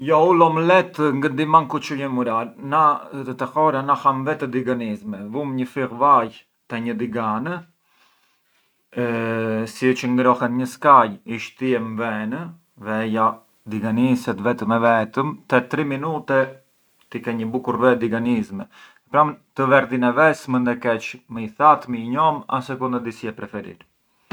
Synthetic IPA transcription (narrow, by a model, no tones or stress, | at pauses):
jɔulɔmlɛt̪ŋɡənd̪imankut͡ʃujɛmuɾalnat̪ət̪ɛxɔɾanahamvɛt̪ɛd̪iɡanizmɛvumɲəfiʁvaj | t̪ɛɲəd̪iɡanə | sit͡ʃəŋɡɾɔhɛt̪ɲəskajiʃt̪əjɛmvɛnə | vɛja | d̪iɡanisɛt̪vɛt̪əmɛvɛt̪əmt̪ɛt̪ɾiminut̪ɛ | t̪ikɛɲəbukuɾvɛd̪iɡanizmɛ | pɾat̪əvɛɾd̪inɛvɛsmənd̪ɛkɛt͡ʃməiθat̪miɲɔma̰sɛkund̪əd̪isiɛpɾɛfɛɾḭɾ